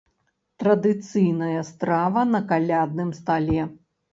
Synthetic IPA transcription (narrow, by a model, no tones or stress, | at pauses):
t̪ɾɐd̪ɨt̪sɨjnɐjɐst̪ɾavɐnɐkalʲad̪̚nɨmst̪alʲɛ